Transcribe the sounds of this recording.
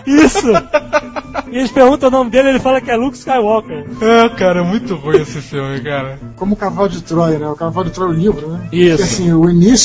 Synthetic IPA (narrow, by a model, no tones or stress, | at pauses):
isʊ | et͡ʃpeɾɡũt̪ɐ̃ʊnõmɪd̪elɪelɪfalɐkɪɛlukskajwɔkeɾɛkaɾɐɛmũj̃t̪ʊʁujesɪfimɪkaɾɐkõmʊkavawd͡ʒɪt̪ɾɔjnɛʊkavawd͡ʒɪt̪ɾɔjʊnivɾʊnɛisasĩʊinis